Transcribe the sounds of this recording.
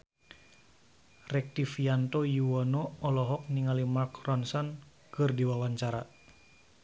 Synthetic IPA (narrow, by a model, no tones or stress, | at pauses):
rɛk̚tifiant̪ojuwɔnɔɔlɔɦɔk̚niŋalimarkrɔnsɔn | kɨrdiwawaɲt͡ʃaɾa